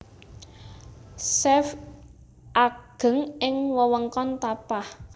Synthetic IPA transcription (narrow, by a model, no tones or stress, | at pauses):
sɛf | ʔaɡ̥ə̤ŋɪŋwəwəŋkɔnt̪apah